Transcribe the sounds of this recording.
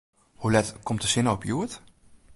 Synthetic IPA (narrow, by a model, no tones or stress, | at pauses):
hulɛtkʰɔmtəsɪnəopʰjuət